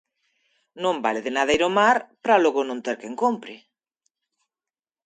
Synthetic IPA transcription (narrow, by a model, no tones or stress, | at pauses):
nõmbaleðenaðaiɾomaɾpɾaloɣonõnt̪eɾkeŋkompɾɪ